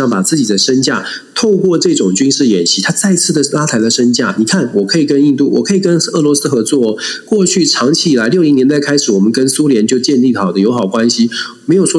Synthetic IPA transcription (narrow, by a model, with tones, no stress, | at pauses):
ɑ˥˩ŋpa˨˩t͡sɹ̩˥˩t͡ɕi˨˩d̪ə˦ʂə˥nt͡ɕja˥˩ | t̪ʰo˥˧ʊkwɔ˥˧ʈ͡ʂɤ˥˩ʈ͡ʂʊ˨˩ŋt͡ɕy˥nʂɻ̩˥˩jɛ˨˩nɕi˧˥t̪ʰa˥t͡sa˥˧ɪt͡sʰɹ̩˥˩d̪ə˩la˥t̪ʰa˧˥ɪlə˨˧ʂə˥nt͡ɕja˥˩ni˨˩kʰa˥˩nwɔ˨˩kʰɤ˧˥i˨˩kə˥ni˥˧nt̪u˥˩wɔ˨˩kʰɤ˧˥i˨˩kə˦˥nɤ˥˩lwɔ˧˥sɹ̩˥xɤ˧˥t͡swɔ˥˩˨kwɔ˥˧t͡ɕʰy˥˩ʈ͡ʂʰɑ˧˥ŋt͡ɕʰi˧˥i˨˩la˧˥ɪljo˥˩li˧˥ŋnjɛ˧˥nt̪a˥˩ɪkʰa˥ɪʂɻ̩˨˩wɔ˨˩mə˦nkə˦˥nsu˥ljɛ˧˥nt͡ɕjo˥˧ʊt͡ɕjɛ˥˧nli˥˩xɑ˨˩ʊd̪ə˦jo˧˥ʊxɑ˨˩ʊkwa˦nɕi˨˦ | me˧˥ɪjo˨˩ʊʂwɔ˥